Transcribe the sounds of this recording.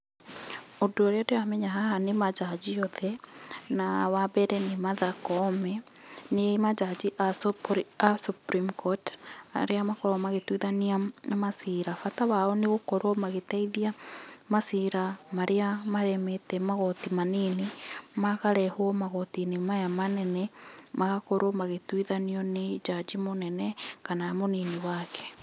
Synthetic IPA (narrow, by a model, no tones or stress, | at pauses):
odooɾeadeamɛɲaɦaɦanemad͡ʒad͡ʒiɔðɛnawabɛɾɛnimaðakɔmɛnemad͡ʒad͡ʒiʔaɾasupɾimkʰɔta̰ɾeamakoɾɔmaɣetwiðaniaamasiɾafataβaoneɣokoɾomaɣetaiðiamasiɾamaɾeamaɾɛmetɛmaɣotimaninimakaɾɛhwɔmaɣotinemajamanɛnɛmaɣakoɾomaɣetwiðaniɔned͡ʒad͡ʒimonɛnɛkanaamoniniwakɛ̥